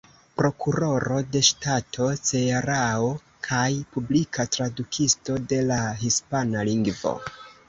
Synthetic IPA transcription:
pɾo̞kuɾo̞ɾo̞de̞ʃtatʰo̞t͡se̞aɾao | kʰajpublikʰatɾadukʰisto̞de̞laɦispanaliŋɡvo̞̰

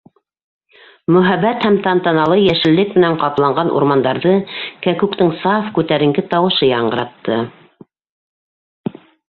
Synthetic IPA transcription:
mɵ̆ɦæβæt̪hæmt̪ɑnt̪ɑnɑlˠɤjæʃɘ̆lːɘk̚mɘ̆næŋqɑp̪lˠɑɴɢɑnʔṵɾmɑnd̪ɑɾðɤkækʉkt̪ɘŋsɑfkʉt̪æɾɘ̆ŋɡɘt̪ɑwɤ̆ʃɤjɑɴɢɤ̆ɾɑt̪ːɤ

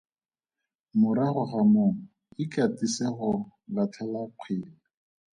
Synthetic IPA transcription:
mʊɾaχʊχamʊːŋ̩ | ikʼatʼiseχʊlatʰɛlaq͡χʰwɪːla

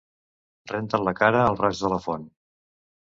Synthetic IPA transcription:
rent̪ənləkaɾəːlˠraʒðələfon

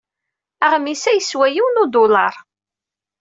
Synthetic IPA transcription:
æʁmisæjəswæjiwnʊd̪ʊlɑ̰ɾˤ

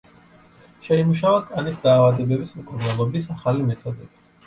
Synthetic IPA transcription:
ʃɛimuʃ̬avakʼanisd̪aːvad̪ɛbɛbismkʼuɾnalˠɔbisaχalimɛt̪ʰɔd̪ɛb̥i

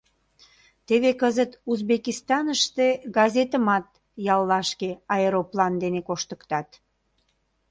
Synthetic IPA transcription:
t̪eβekəzət̪uzbekist̪ɑnəʃt̪eɡɑzet̪əmɑt̪̚ | jɑlːɑʃkeɑeɾoplɑnd̪enekoʃt̪əkt̪ɑt̪

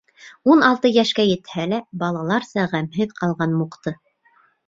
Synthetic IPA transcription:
unɑlˠt̪ɤjæʃkæjɘ̆t̪hælæbɑlˠɑlˠɑɾsɑʁæmhɘðqɑlˠʁɑnmuqt̪ɤ

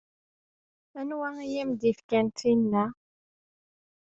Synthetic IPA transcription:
ænwaŋjimd̪ifkʲɛntinːa

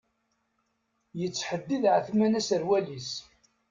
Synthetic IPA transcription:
jət͡sːħəd̪ːiðʕəθmænæsəɾwælis

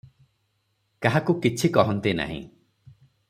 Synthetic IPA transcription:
kaɦakukit͡ʃʰikɔɦɔnt̪ina̰ɦḭ̃

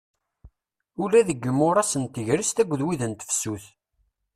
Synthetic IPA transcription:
ulæðəɡːəmːʊɾˤɑsənt̪əʝɾist̪æɡʷðwiðənt̪ə̥fsuθ

